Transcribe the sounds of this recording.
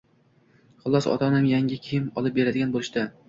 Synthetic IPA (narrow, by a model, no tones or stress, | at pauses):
χʊlˠɒsɒ̰t̪ʰɒnamjaŋʲɪkʲʰiɪmɒlˠɪp̚be̞ɾad̪ɪɡʲanbolˠɪʃd̪a